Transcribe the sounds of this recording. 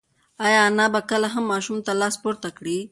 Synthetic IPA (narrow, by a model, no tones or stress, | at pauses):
ajaːnabɐkɐlaɦɐmːaːʃumt̪alaːspuɾt̪akɽi